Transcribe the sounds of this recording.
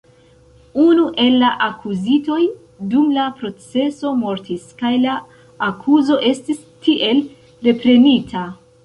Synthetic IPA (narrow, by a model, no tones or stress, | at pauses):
unuʔe̞lːaʔakʰuzito̞j | dumlapɾo̞t͡se̞so̞mo̞ɾtiskajlaː | kʰuzo̞ʔe̞stis | tiʔe̞l | ɾe̞pɾe̞nitʰa